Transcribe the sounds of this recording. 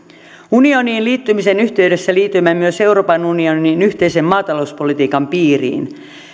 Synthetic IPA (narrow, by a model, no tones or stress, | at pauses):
unio̞niːnliːt̪ːymisenyht̪e̞yde̞sːæliːt̪ːˑymæmmyøse̞uɾopɑnunioninyçt̪e̞jsemmɑːt̪ɑlo̞uspo̞lit̪iːkɑmpiːrḭːn